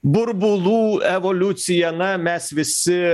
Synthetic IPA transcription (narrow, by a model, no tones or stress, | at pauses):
bʊɾbulˠuevolʲut̪sijanɑmæsvɪsɪ